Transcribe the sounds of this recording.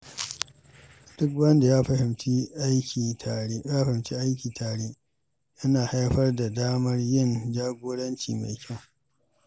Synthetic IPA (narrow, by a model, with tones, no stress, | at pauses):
d̥ʊ˦kwɐ˦nda˨jaː˦ɸɐ˨hɪ˨mt͡ʃi˦ʔa˦jkʲiː˨ta˨ɽe˦jaː˦˨hɪ˨mt͡ʃi˦ʔa˦jkʲiː˨tʰaː˨ɽeː˦ | jɐ˦naː˨ha˦jɸɐ˦rda˨daː˦mɐ˦rjɪ˦nd͡ʒaː˦ɡʷoː˦ɽɐ˦nt͡ʃḭː˨ma̰˨jkʲɐ˦˨w